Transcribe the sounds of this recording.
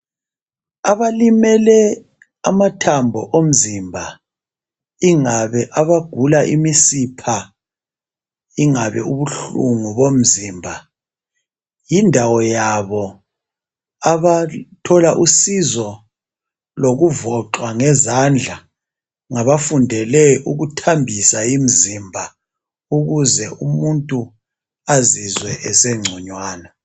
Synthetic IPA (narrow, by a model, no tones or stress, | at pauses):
aβalimɛlɛ | amatʰambʱɔʔom̩zimbʱa | iŋaβɛʔaβaɡ̥ʱulaʔḭmisipʰa | iŋaβɛuβuɬuŋuβom̩ziːmbʱa | jindʱawɔjaβɔ | aβatʰɔlaʔusizɔ | loɣuvɔǃwaŋɛzand͡ɮʱa | ŋaβafundʱɛlɛʔuɣutʰambʱisaim̩zimbʱa | uɣuzɛʔumuntʼu | azizwɛʔɛsɛŋ͡ǀʱɔɲwaːna